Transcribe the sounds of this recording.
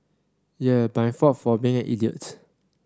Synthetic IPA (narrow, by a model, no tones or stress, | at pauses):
jəbãjŋfɔtfɔbĩŋɛ̃ʔḭliə̰t